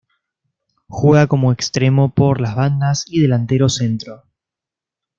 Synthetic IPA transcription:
xweɣako̞mo̞ekst̪ɾe̞mo̞po̞ɾlazβand̪asið̞e̞lant̪e̞ɾo̞se̞nt̪ɾo

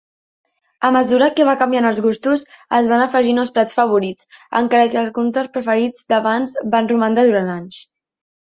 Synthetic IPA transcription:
əməzuɾakeβ̞akəmbjanəlˠzɣust̪uzəzβanəfəʒinəlˠsplat͡sfəβ̞uɾit͡sə̰ŋkaɾəkəlˠkunt̪əspɾəfəɾid͡zd̪əβanzbanrumand̪ɾaðuɾanaɲs

